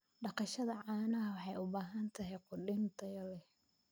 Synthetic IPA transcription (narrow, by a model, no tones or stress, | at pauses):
ɖɑqɑʃɐðɐʕɑːnɐɦɐwɑħɑjʊbaːɦɐnt̪ʰɐɦɛjqʊɖɪnt̪ʰɐjɐlɛ